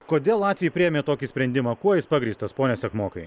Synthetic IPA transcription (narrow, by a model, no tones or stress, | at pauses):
koːd̪ʲeːlˠlˠɑːt̪ʲʋʲɪjɛɪpʲɾʲɪjɛmʲeːt̪oːkʲisʲpʲɾʲɛnʲd̪ʲɪmɑːkuɔjɪspɑɡɾʲiːst̪ɐspoːnʲɛːsʲɛkmoːkɐɪ